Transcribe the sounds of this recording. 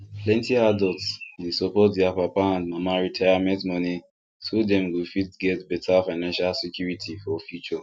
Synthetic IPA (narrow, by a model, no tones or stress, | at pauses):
plɛ̃ntiadɔltswisɔpɔt̚dɛapapããndmamaɹitʰajamɛ̃ntmɔni | tudɛ̃mwifitɡɛtbɛtʰafaɪnãnʃalsɛkʰjuɹitʰifɔfjut͡ʃɔ